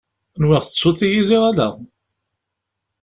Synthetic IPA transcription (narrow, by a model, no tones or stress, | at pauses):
nwɪʁθəsːʊt̪ːijiziʁælæ̰